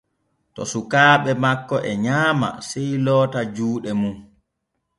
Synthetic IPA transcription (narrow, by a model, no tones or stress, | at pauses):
tɔ̰sukaːɓɛmakːɔʔɛɲaːma̰sɛjlɔːtad͡ʒuːɗɛmum